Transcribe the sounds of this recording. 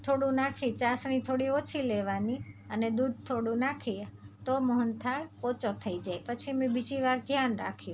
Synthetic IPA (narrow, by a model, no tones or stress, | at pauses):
t̪ʰoɽũnakʰit͡ʃasɳ̃it̪ʰoɽiot͡ʃʰileʋaniəned̪ud̪̚ʱt̪ʰoɽũnakʰit̪oməɦənt̪ʰaɭot͡ʃot̪ʰəid͡ʒajpət͡ʃʰimɛ̃bid͡ʒiʋaɾd̪ʱjanɾa̰kʰjũ